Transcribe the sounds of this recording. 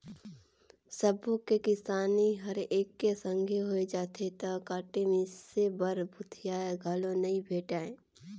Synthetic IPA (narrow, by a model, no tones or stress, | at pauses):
səbokekɪsaːniɦəɾeːkːesə̃ŋɡʱeɦoed͡ʒaːt̪ʰet̪ɐkaːʈemesebəɾbʱʊt̪ʰijaːeɡʱalõnɐĩbʱeːʈaːẽː